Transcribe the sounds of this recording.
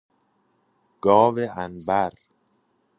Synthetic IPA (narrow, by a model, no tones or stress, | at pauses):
ɡ̥ɒːveʔænbæɾ